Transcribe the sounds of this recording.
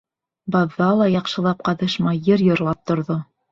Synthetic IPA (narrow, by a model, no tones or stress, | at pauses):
bɑðːɑlˠɑjɑqʃɤ̆lˠɑp̚qɑðɤ̆ʃmɑjɘɾjŏɾlˠɑp̚t̪ŏɾðo